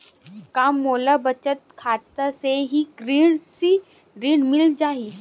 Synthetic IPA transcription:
kaːmːolabət͡ʃət̪̚kʰaːt̪əseɦiɡɾiːɳsi | ɡɾiːɳmɪld͡ʒaːɦi

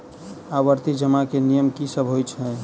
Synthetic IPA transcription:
aʋəɾt̪id͡ʒəmakenijəmkisəbʱɦojt͡ʃʰə

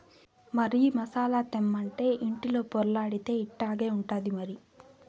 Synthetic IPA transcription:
mɐɾiimɐsaːlaːt̪emːɐɳʈe̞ːʔiɳʈilo̞ːpoɾlaːɽit̪e̞ːiʈːaːɡeːuɳʈaːd̪imɐɾi

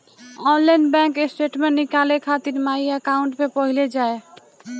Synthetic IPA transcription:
ɔnlainbɛ̃ŋkesʈeʈmenikalekʰat̪iɾmaiekaũɳʈmepɔɦiled͡ʒae

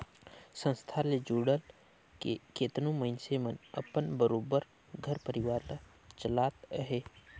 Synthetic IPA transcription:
sə̃nst̪ʰaled͡ʒuːɽəl | ket̪nõməɪnsemənə̰pənbəɾoːbəɾ | ɡʱəɾpəɾɪʋaːɾla | t͡ʃəlaːt̪əɦeː

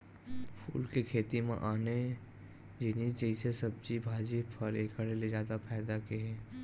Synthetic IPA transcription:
pʰṵːlkekʰeːt̪imḛ̃ʔaːne | d͡ʒenid͡ʒɐisesɐb̚d͡ʒibʱaːd͡ʒipʰɐɾeːkʰəɽelezjaːd̪apʰɛːd̪akeɦɛː

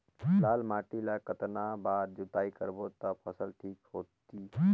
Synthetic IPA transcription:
lalmaʈilakət̪nabad̪d͡ʒut̪aikəɾbot̪əpʰəsəlʈʰikɦot̪i

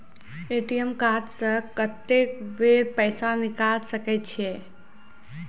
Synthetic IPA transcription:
eʈijəmkaːd̪səkət̪ːekʋeɾpəjsanɪkalsəkɛt̪t͡ʃʰe

